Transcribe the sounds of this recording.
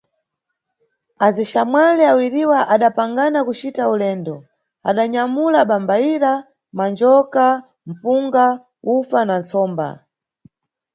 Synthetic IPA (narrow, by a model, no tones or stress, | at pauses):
aziʃamwalɛawiɾiwaʔaɗapaŋɡanakut͡ʃitaulɛːndɔ | a̰ɗaɲamulaɓambaiɾa | mand͡ʒɔka | m̩puŋɡa | ufanant͡sɔːmba̰